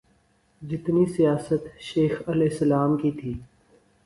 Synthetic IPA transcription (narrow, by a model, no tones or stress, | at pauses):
d͡ʒɪt̪nisijaːsət̪ʃeːxəlɪsəlaːmkit̪ʰiː